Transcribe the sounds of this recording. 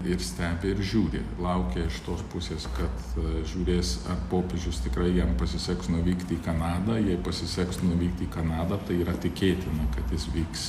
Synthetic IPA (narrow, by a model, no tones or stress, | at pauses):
ɪɾsʲt̪ʲæːbʲɪɪɾʒʲuːɾʲɪ̰lˠɐʊkʲeɪʃt̪oːspʊsʲeːskɐt̪ʒʲuːɾʲeːsɐrpoːpʲeʒʲʊst̪ʲɪkɾɐɪjɛmpɐsʲɪsʲɛksnʊʋʲiːkt̪ʲiːkɐnɑːd̪ɐjɛɪpɐsʲɪsʲɛksnʊʋʲiːkt̪ʲiːkɐnɑːd̪ɐt̪ɐɪiːɾɐt̪ʲɪkʲeːt̪ʲɪnɐkɐt̪jɪsʋʲiːks